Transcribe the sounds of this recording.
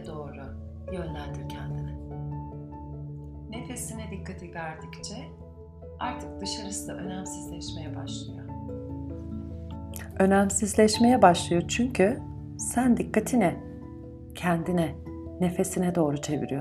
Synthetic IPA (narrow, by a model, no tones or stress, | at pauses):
d̪o̞ːɾʊ | jø̞nlʲænd̪iɾcʰɛnd̪inɛ | ne̞fe̞sinɛd̪ikʰːat̪ʰivʲæɾd̪ict͡ʃʰɛ | aɾt̪ʰɯk̚d̪ɯʃaɾɯsɯd̪aʔø̞næmsizlʲɛʃme̞jɛbaʃlˠɯjo | ø̞næmsizlʲɛʃme̞jɛbaʃlˠɯjo̞t͡ʃʰyɲcʰy | sænd̪ikʰːat̪ʰinɛ | cʰɛnd̪inɛ | ne̞fe̞sinɛd̪o̞ːɾut͡ʃʰe̞vḭɾijo